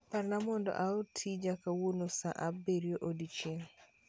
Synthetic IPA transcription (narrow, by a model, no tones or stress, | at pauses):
paɾnamɔndɔ̰ʔaotʰid͡ʒakawonosa̰ʔabeɾjoʔodit͡ʃeŋ